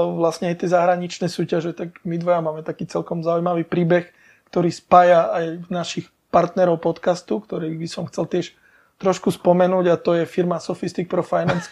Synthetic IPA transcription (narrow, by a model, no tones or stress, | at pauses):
ʋlasɲɛajt̪jɛzaɦɾaɲit͡ʃnɛːsuːcaʒɛt̪aɡmid̪ʋɔjamaːmɛt̪akiːt͡sɛlkɔmzaujmaʋiːpɾiːbɛx | kt̪ɔɾiːspaːjaajnaʃix | paɾt̪nɛɾɔʊpɔt̪kast̪ukt̪ɔɾɛːbisɔmxt͡sɛlt̪ɪɛʃ | t̪ɾɔʃkuspɔmɛnuːɟat̪ɔjɛfiɾmasɔfist̪ik̚pɾɔfajnans